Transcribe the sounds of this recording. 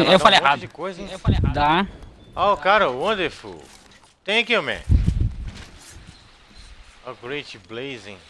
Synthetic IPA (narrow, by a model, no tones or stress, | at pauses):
ewfaleakojz̃ewfald̪a | akaɾɐwõnd̪efṵ | t̪ẽj̃ɐkiomḛ̃ | ɐɡɾetblejzĩŋ